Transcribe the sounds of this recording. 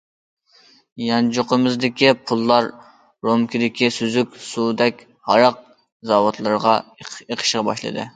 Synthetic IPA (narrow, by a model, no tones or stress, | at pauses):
jɑnd͡ʒoqəmɪzd̪ɪkʲipʰulˠːɑɾː | omkʲid̪ɪkʲisyzykʲsud̪ɛkʲ | hɑɾɑq̚ | zɑwot̪ʰlˠɨɾʁɑeqʰə̥ʃʁɑbɑ̰ʃlˠɨ̰d̪ɨ̰